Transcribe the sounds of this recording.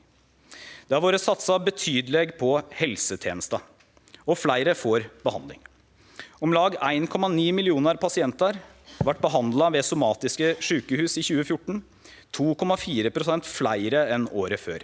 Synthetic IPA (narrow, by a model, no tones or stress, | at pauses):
d̪̥ɛhɑɾʋoːɾəsɑt̪sɑbət̪ʰyːd̪əleɡpʰɔhɛlsət̪ʰjeːnəst̪ɑ | ɔflæɪɾəfoːɾb̥əhɑnd̪ɪ̰ŋ | ɔmlɑːɡæɪnkʰɔmɑniːmɪlɪuːnəɾpʰɑsɪɛnt̪əɾ | ʋɑʈ̚ːbəɦɑnd̪lɑʋɛsʊmɑːt̪ɪskəʂʉːkəhʉːsiçʉːəfjʊʈːɳ̩ | t̪ʰuːkʰɔmɑfiːɾəpʰɾʊsɛnt̪flæɪɾəɛnoːɾəføːɾ